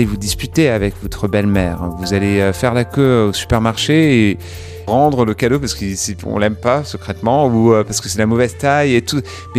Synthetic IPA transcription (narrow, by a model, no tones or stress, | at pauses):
levud̪ispyt̪eavɛkvɔt̪χəbɛlmɛːʁvuzaleøfɛʁlakʲøosy̥pɛʁmaʁʃee | ʁɑ̃d̪ʁələkad̪opaʁsə̥kisiɔ̰̃lɛmpasəkχɛt̪mɑ̃uøpaʁsə̥kəsɛlamɔvɛzt̪ajet̪u | mɛ